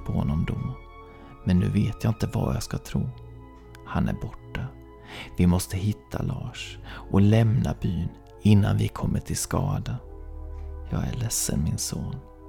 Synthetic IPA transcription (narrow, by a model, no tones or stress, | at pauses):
pʰɔhɔnːɔmd̪ɔː | mɛnːʉ̟ːveːt̪jɑːɪnt̪əvajɑskat̪ʰɾuː | hanæɾbɔʈːa | vɪmɔst̪əɦɪt̪ʰːalɑːʂʔɔlɛmnabyːn | ɪnːanvɪkʰɔmːəʈʰɪlskɑːd̪a | jɑːɡæɭɛsːənmɪnsoːn